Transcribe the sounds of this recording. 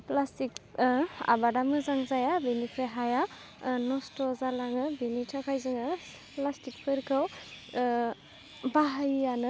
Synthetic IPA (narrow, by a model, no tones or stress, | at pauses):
plastik̚ | a̰badamɯzaŋzajabinikʰɾeɦaja | nɔstɔzalaŋɯbinitʰakʰajzɯŋɯ | plastik̚pʰɯɾkʰɯw | baɦajanɯ